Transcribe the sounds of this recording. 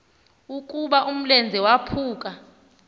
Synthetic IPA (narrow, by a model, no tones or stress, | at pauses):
ukʼuɓaʔum̩lɛnd͡zʱɛwapʰuːk̬ʼa